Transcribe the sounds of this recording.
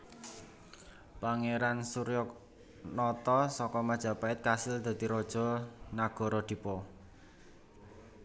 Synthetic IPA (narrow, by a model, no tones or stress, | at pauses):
paŋeɾansuɾjɔk | nɔt̪ɔsɔkɔmad̥ʒ̥ä̤paɪt̪̚kasɪld̪̥a̤d̪̥iɾɔd̥ʒ̥ɔ̤naɡ̥ɔ̤ɾɔd̪̥i̤pɔ